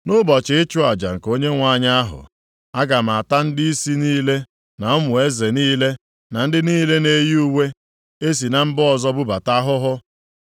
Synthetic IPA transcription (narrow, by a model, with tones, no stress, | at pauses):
nʊ˦bɔ˨t͡ʃɪ˨ɪ˦t͡ʃʊ˦a˨d͡ʒa̰˨ŋ̩˨ko˦ɲe˦ŋʷa˨˦˨ɲa˦a˦ɦʊ̰˨ | a˦ɡa˨m̩˨a˨ta˦n̩˦dɪ˦i˦si˦niː˦le˦ | na˨ʊ˦mʊ˨e˦ze˨niː˦le˦ | na˨n̩˦dɪ˦niː˦le˦ne˨˦ji˦u˦we˦ | e˦s̬i˨na˦m̩˦bɔ˦zɔ˦bʊ˦ba˨ta˦ɦʊ˦ɦʊ˦